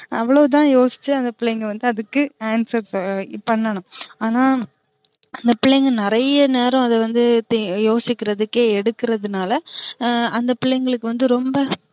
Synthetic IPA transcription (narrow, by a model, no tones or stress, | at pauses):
ɐʋːɐɭoːt̪̬ãːjoːsɪ̥t͡ʃːɯɐnd̪ɐpɪɭɐjŋɡɐʋɐnd̪ɯɐðɯkːɯaːnsɐɾspɐɳːɐɳʊ̃aːnaː | ɐnd̪ɐpɪɭːɐŋɡɐnɪɾɐjɐneːɾɔ̃ɐðɐʋɐnd̪ɯt̪joːsɪkːɪɾɐðɯkːeːɛɽɯkːɪɾɐðɯnaːlɐ | ɐnd̪ɐpɪɭːɐŋɡɐɭɯkːɯʋɐnd̪ɯɾɔmbɐ